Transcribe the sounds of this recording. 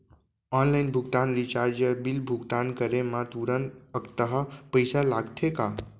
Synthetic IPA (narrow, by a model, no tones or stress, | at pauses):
ɔːnlaɪnbʱuɡt̪aːnɾit͡ʃaːɾd͡ʒəbilbʱuɡt̪aːnkəɾemãt̪uɾənt̪əkt̪əɦəpəjsalaːɡt̪ʰeka